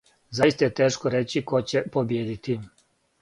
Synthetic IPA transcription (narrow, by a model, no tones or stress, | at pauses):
zajist̪ajet̪e̞ːʃkoɾet͡ɕiko̞t͡ɕepobjeːd̪it̪i